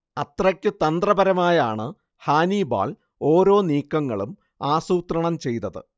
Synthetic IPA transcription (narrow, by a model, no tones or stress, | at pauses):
ɐt̪rɐkʲːɨt̪ɐnd̪rɐbɐɾɐmaːjaːɳɨ | haːniba̰ːl | o̞ːɾo̞ːniːkːɐŋːɐɭum | aːsuːt̪rɐɳɐmt͡ɕe̞jt̪ɐðɨ̰